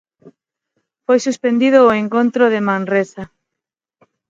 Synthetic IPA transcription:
fojsuspend̪iðoːeŋkont̪ɾoðemãnresa

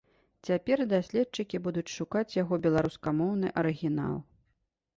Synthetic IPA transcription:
t͡sʲapʲɛrd̪asʲlʲɛt̪̚t͡ʂɨkʲibud̪ut͡sʲʂukat͡sʲjaɣɔbʲɛlˠaɾuskamɔwnɨʔɐɾɨɣʲin̪a̰lˠ

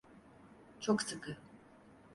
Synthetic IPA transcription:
t͡ʃʰoksɨkɯ

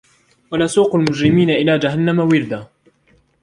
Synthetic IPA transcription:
walaːsuːqʊlmʊd͡ʒɾɪmiːnaʔɪlaːd͡ʒaɦanːamawɪɾd̪aː

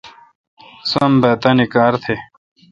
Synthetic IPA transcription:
sombɐt̪ɐnikaːɾt̪ʰe

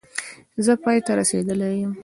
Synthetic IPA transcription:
zəpɑjt̪aɾased̪əlajəm

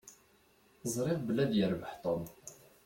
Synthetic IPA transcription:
zˤɾˤɪvbəlæd̪jəɾbəħt̪ˤən

